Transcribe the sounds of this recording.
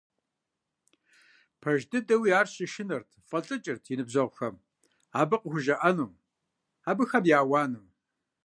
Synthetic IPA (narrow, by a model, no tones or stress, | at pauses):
pʰɐʒdɨdɐwijaːrɕɪʃɪnɐrtʰfʼɐɬʼɨt͡ʃʼɪrtʰinɨbzɐʁʷʊxɐm | aːbɨqəxʷʊʒɐʔɐnum | aːbɨxɐmjaːwɑːnɨm